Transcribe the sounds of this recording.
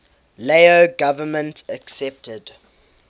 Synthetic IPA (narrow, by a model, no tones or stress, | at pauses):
leɪoɡavəmə̃ntəksɛp̚təd̥